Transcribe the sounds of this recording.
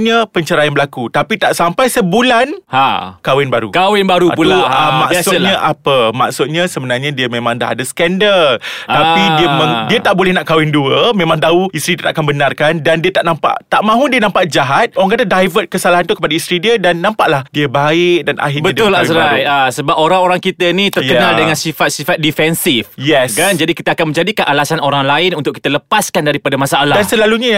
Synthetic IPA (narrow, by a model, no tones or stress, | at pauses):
ɲãpəɲt͡ʃəɾajanmbəlakut̪apit̪aʔsampajsəbulanhakawɪnbaɾṵkawɪnbaɾupuluamaksʊt̪̚ɲãʔapəma̰ksʊt̪̚ɲãsəbənarɲãdiəmẽmãŋda̰ɦa̰dasə̥kɛndəlaidiəmə̃ŋdiət̪aʔbolɛhnaʔkawɪnduəmẽmãŋt̪auist̪ɾidit̪aʔakanbənarkandandiət̪aʔnampa̰ʔt̪aʔmãɦudiənãmpaʔd͡ʒaɦat̪̚oɾaŋkat̪adajvət̚kəsalaɦant̪ukəpadaist̪ɾidiədanːãmpaʔlahdiəbaɪk̚danʔa̰ɦɪbət̪ʊlaasɾajasəbap̚oɾaŋoɾaŋkit̪ənĩt̪ərkənaldəŋãnsifat̪̚sifat̪̚difɛnsifjɛskand͡ʒadikit̪əakanməɲd͡ʒadikaʔalasanoɾaŋlaɪnunt̪ʊʔkit̪ələpaskandaɾipadamasaːladansəlaluɲə